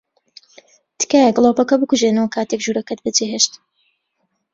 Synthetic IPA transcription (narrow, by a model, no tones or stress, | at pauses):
t̪ɨ̥kaːjɛɡlˠoːpɐkɐbɨkuʒenɐwɐkʰaːt̪ekʒuːɾɐkɐt̪̚bɨd͡zeɦeʃt̪